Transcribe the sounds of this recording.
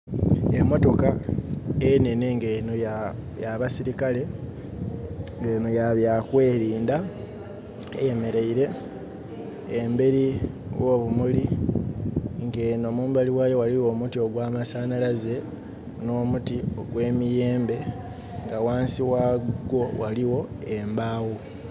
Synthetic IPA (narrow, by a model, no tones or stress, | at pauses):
emːo̞to̞ka | ene̞neŋɡenojajaβasiɾikale̞ | ŋɡeːnojaβjakwe̞ːɾiːnda | ḛje̞me̞ɾe̞iɾe̞ | mbe̞ɾiwʔo̞ːβumuli | ŋɡe̞ːno̞muːmbaliwajo̞waliwo̞mutio̞ɡwaːmasaːnalaze̞ | no̞ːmutio̞ɡwe̞ːmije̞ːmbe̞ | ŋɡawaːnsiwaɡo̞waliwo̞embaːwu